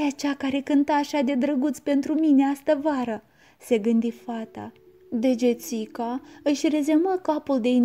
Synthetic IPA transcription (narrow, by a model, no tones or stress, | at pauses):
jat͡ʃakaɾe̞kɨnt̪aːʃad̪e̞d̪ɾəɡut̪sʲpe̞nt̪ɾumineast̪əvaɾə | se̞ɡɨnd̪ifat̪a̰ | d̪e̞d͡ʒe̞t̪sikaɨʃʲre̞zemakapuld̪e̞in